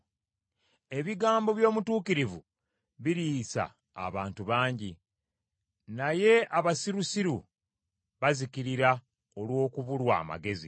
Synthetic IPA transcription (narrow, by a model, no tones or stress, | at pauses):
e̞βiɡaːmbo̞βjo̞ːmutuːkiɾivu | βiɾiːsa̰ː | βaːntuβaːɲɟi | naje̞aβasiɾusiɾu | βaziciɾiɾa | o̞lwo̞ːkuβulwa̰ːma̰ɡe̞zi